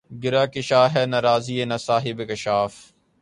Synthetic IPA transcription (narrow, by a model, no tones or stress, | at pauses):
ɡɪɾaːkɪʃaːɦɛːnɐɾaːziːenɐsaːɦɪbekɪʃaːf